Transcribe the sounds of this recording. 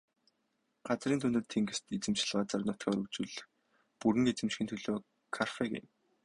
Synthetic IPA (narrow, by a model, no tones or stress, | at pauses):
ɢ̥at͡sriːnt̪ʰunt̪ɘ̆t̪ʰːeŋɡɘ̆st̪et͡sɘ̆mt͡ɕ̆ɮɢaːt͡saːrnʊt̪kʲæːʊɾɵkt͡ɕŭɮ | puɾɘ̆ŋet͡sɘ̆mt͡ɕxʲinʰɵɮoː | kʰarfekɪ̰m